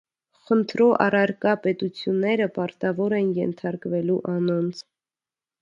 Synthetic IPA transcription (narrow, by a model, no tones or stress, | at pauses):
χənt̪ʰɾɔʔɑ̰rɑɾkɑpɛt̪ut͡sʰjunːɛɾəpɑɾt̪ɑvɔɾɛnjɛ̰nt̪ʰɑɾkvɛluʔɑnɔnt͡sʰ